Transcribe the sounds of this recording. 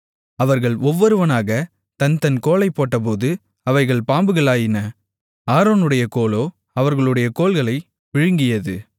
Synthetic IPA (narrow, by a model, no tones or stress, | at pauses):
ɐʋɐɾɣɐɭɔʋːɔɾɯʋɐnaːɣɐ | t̪ɐnt̪ɐnkoːlɐɪpːoːʈːɐp̬oːðɯ | ɐʋɐɪɣɐɭpaːmbɯɣɐɭaːjɪnɐ | aːɾoːnɯɽɐjɐkoːloː | ɐʋɐɾɣɐɭɯɽɐjɐkoːlɣɐɭɐɪ | ʋɪɻɯŋɡɪjɐðɯ